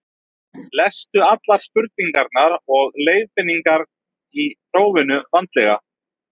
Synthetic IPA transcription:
lɛst̪ʏat̪laɾ̥spʏɾt̪̚niŋkaɾt̪naɾɔɣleːjðpɪnːiŋkaɾ | iθɾoːwvɪnʏvant̪lɛɣa̰

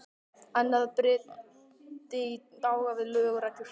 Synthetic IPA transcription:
anːaðapɾɪ | t̪ɪit̪aːwɣavɪðlœːɣɾatɪɾ̥

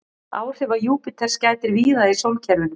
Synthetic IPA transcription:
aːwr̥ɛvajuːpɪt̪ʰɛɾ̥scaːt̪ɪɾviːðaisowlcʰɛɾvʏnʏ

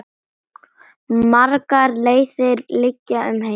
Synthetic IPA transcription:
maɾkaɾleːjθɪɾlɪcːaʏmɦe

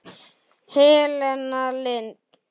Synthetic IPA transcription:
helɛnalen

